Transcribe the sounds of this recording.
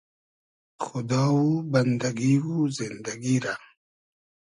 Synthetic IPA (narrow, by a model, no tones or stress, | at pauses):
xʊd̪ɑwuband̪aɡiwuzɪnd̪aɡiɾa